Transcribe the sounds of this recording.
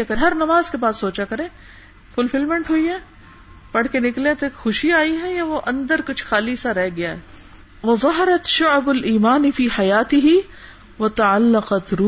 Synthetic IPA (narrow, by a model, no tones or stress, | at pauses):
kɐɦɐɾnɐmaːzkebaːssoːt͡ʃakɐɾẽː | fʊlfɪlmə̃ɳʈɦuiɦɛː | pɐɽ̤kenɪklẽt̪oeːkxʊʃiaːiɦɛjaʋoʔɐ̃nd̪əɾkʊt͡ʃʰxaːlisaɾɛɦɡɪjaɦɛː | ʋɐðˤɑɦɐɾɐt̪ʃʊʕbʊliːmaːnɪfiːħajaːt̪ɪɦi | ʋɐt̪ɐʕalːɐqɐt̪ɾuː